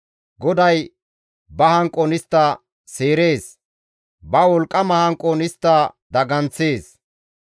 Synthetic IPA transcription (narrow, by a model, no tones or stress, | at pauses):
ɡɔd̪ɐj | bɐhɐŋkʼːɔnɪst̪ːɐ | seːɾe̞ːs | bɐwɔlkʼːɐmɐhɐŋkʼːɔnɪst̪ːɐd̪ɐɡɐnt͡sːe̞ːs